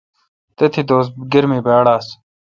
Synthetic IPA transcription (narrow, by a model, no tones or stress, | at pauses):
t̪et̪ʰiːd̪oːsɡəɾmiːbaːɽaːs